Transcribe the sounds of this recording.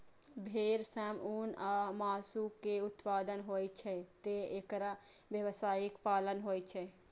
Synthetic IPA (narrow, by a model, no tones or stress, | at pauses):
bʱeːɾsɛːmuːnamaːsukeʊt̪paːd̪ənɦoːit͡ʃʰɛt̪eekɾaʋjəʋsaːɪkpaːlənɦoːjt͡ʃʰɛ